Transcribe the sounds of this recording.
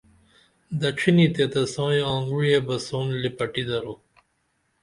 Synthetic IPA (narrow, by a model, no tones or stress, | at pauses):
d̪ɐʈ͡ʂʰinit̪et̪ɐsɑ̃ːjãːŋɡujebɐsoːnlipɐʈid̪ɐɾo